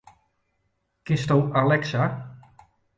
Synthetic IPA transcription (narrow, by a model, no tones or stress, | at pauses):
kɪstowalɛksa